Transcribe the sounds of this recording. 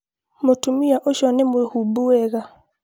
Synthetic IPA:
motumiaʔoʃɔnɛmehubuɛɣa

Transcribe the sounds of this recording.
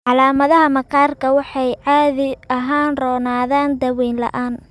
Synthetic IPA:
ʕɑlaːmɐðɐɦɐmɐqʰaːrkʰɐwɑħɑjʕɑːðɪɐɦaːnrɔːnaːðaːnd̪ɐwɛːnlɐ̰ʔaːn

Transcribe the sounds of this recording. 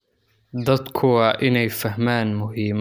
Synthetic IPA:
d̪ɐd̪kʰʊɐʔɪnɛjfɐhmaːnmʊɦiːm

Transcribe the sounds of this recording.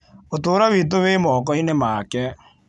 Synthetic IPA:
otoːɾaβit̬owemɔkɔinemakɛ

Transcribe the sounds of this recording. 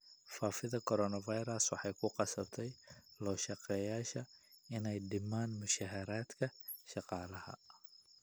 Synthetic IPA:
faːfɪðɐkʰɔɾɔːnɐvɑjɾɐswɑħɑjkʰʊqɑsɐbt̪ʰɛjlɔːʃɑqɛːjaːʃɐɪnɛjɖɪmaːnmʊʃaːɦɐɾaːd̪kʰɐʃɑqɑːlɐhɐ̰

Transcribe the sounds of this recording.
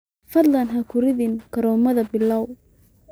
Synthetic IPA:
fɐd̪lɐnɦɐkʰʊɾɪðɪnkʰɐɾɔːmɐðɐbɪlɐw

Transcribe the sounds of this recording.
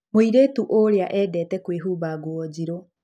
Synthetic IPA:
moiɾeːtuʔoɾeaʔɛːdɛːtɛkweɦuːbaɡuɔd͡ʑiɾɔ

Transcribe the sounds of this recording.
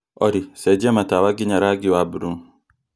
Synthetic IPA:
ɔɾisɛd͡ʒɛmatawaɡiɲaɾaɡiwabuɾuŋ

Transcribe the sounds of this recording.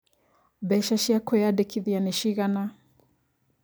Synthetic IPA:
bɛʃaʃiakɔjadɛkiðianɛʃiɣana

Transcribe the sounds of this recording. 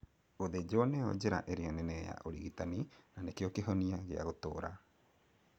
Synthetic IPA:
oðed͡ʑoːneɔ̰d͡ʑeɾa̰ʔeɾeɔnɛnɛja̰ʔoɾḭɣitaninanekeɔkeɦɔniaɣea̰ɣotoːɾa

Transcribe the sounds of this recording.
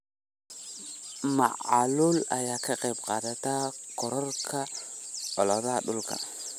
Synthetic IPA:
ma̰ʔa̰lʊla̰jaːkɐqʼebqadat̪akɔɾɔrkʰa | ɔlɔdaɗʊlka̰

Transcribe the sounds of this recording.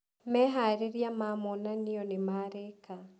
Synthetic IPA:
mɛɦaɾeɾjamamonaniɔnemaɾeka

